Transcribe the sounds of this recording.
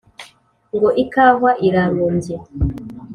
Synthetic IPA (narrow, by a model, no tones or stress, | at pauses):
ŋɡoʔikaːvaʔiɾamoːmbe